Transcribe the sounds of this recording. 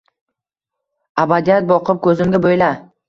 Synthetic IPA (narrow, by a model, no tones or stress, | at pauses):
abad̪ijat̪̚bɒqʰɨp̚kʰɵzɪmɡʲabojla